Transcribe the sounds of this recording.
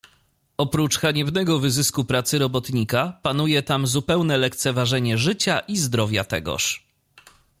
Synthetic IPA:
ɔpɾut͡ʂxaɲɛbnɛɡɔvɘzɘskupɾat̪sɘɾɔbɔt̪ɲikapan̪ujɛt̪amzupɛwnɛlɛk̚t̪sɛvaʐɛɲɛʐɘt͡ɕaʔizd̪ɾɔvʲja̰t̪ɛ̰ɡɔ̰ʂ

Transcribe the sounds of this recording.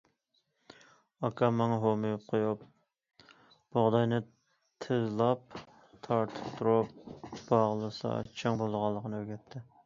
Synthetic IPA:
ɑkʰɑmɑŋɦomɨjup̚qʰojup | b̥oʁd̪ɑjnɪ | t̪ʰɨzlˠɑp̚ | t̪ʰɑɾt̪ʰɨ̥p̚t̪ʰuɾup̚b̥ɑʁlˠɨsɑ̰t͡ʃʰɑŋbolˠʁɑlˠːəqʰənɨøɡʲɛt̪ʰːɪ

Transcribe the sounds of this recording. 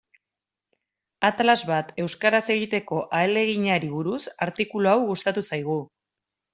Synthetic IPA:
at̪alazβat̪e̞wskaɾase̞ɣit̪e̞ko̞ʔaele̞ɣ̞iɲaɾiβuɾusaɾt̪ikuloawɣust̪at̪usajɣ̞u

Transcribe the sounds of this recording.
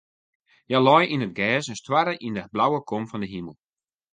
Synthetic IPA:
jalɔjinətɡɛːsənstwaɾəʔindəblawəkʰomfɔndəɦiməlˠ

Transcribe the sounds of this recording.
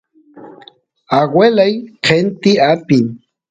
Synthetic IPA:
aɡwelajqʰent̪iapin

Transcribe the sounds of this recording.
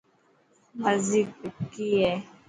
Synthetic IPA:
mazikkijɛ

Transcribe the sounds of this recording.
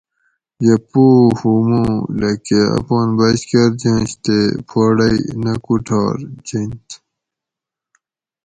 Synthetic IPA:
jɐpoːhumõlekeɐ̰poːnbɐɕkɐɾd͡ʑẽːɕt̪epʰoːɽɐinɐkuʈʰɑːɾd͡ʑint̪

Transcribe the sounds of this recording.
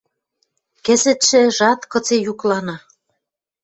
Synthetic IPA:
kĕzĕt̪ʃĕʒɑt̪kɤ̆t͡sejuklɑnɑ

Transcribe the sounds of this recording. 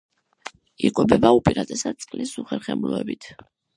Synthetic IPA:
ikʼɔbɛbaupʼiɾad̪ɛsad̪̚t̪sʼqʼlisuχɛɾχɛmlɔɛbit̪ʰ

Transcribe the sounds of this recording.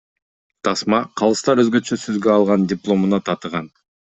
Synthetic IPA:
t̪ʰɑsmɑqʰɑlˠɯst̪ɑɾø̞zɡø̞t͡ʃøsøzɡøɑlˠʁɑndʲɪplˠo̞munɑt̪ʰɑt̪əʁɑn

